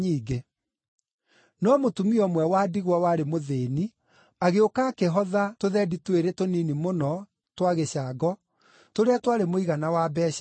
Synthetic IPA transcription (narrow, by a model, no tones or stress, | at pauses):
iːɡe | nɔmotumiɔmwɛwaːdiɣwawaɾemoðeːni | aɣeokaːkeɦɔðatoðɛditweɾetoninimonɔ | twaɣeɕaɡɔ | toɾeatwaɾemoiɣanawabɛːɕ